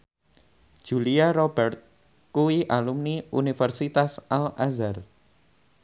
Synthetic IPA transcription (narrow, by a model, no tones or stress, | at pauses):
ʒ̥uliaɾɔbɛrt̪̚ | kuwiʔalumniunifərsit̪asʔalʔazar